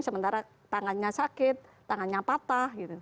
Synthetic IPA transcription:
səmənt̪aɾa | t̪aŋanɲasakɪt̪̚ːaŋanɲapat̪ahɡit̪u

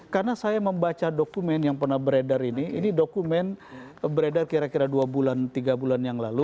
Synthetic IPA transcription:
karnasajaməmbat͡ʃadokumɛnjaŋpərnahbəɾedəriniḭnidokumɛnbəɾedərkiɾakiɾaduabulant̪iɡabulanjaŋlalu

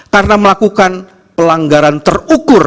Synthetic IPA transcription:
karnaməlakukan | pəlaŋɡaɾant̪ərukʊr

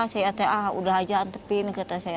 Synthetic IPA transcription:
sajat̪eʔaṵdaɦad͡ʒant̪əpinkət̪asaj

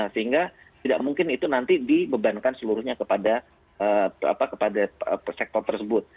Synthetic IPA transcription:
asəɦiŋɡa | t̪idaʔmuŋkɪnit̪unant̪idibəbankansəluɾʊhɲakəpada | əːa̰pakəpadaəsɛk̚t̪ɔrt̪ərsəbʊt̪̚

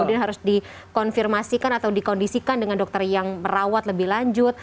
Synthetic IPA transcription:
udianɦaɾʊsdi | kɔnfirmasikanat̪awdikɔndisikandəŋandɔk̚t̪ərjaŋməɾawat̪ləbɪhlaɲd͡ʒʊt̪̚

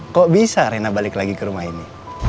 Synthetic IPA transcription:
kobisaɾenabalɪklaɡikəɾumaɦini

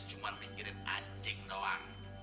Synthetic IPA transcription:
ʒ̥umanmikiɾɪnaɲd͡ʒɪŋdɔwaŋ

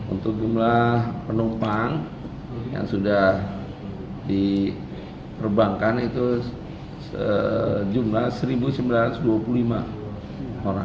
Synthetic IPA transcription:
ṵnt̪ʊk̚d͡ʒumlahpənumpaŋ | ja̰ŋsudah | di | pərbaŋkanit̪u | səd͡ʒumlahsəɾibusimbilat̪sduapululima̰ | oɾa̰

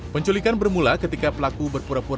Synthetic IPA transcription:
pəɲt͡ʃulikanbərmulakət̪ikapəlakubərpuɾapuɾ

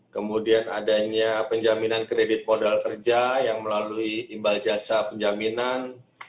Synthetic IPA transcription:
kəmudianadaɲapəɲd͡ʒaminankɾedɪt̪̚modalkərd͡ʒajaŋməlaluit̪imbald͡ʒasapəɲd͡ʒaminan

